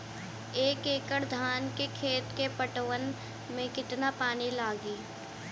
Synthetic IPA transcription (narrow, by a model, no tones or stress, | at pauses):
eːkeːkəɾd̪ʱaːnkekʰeːt̪kepəʈʋən | mẽkɪt̪napaːnilaːɡiː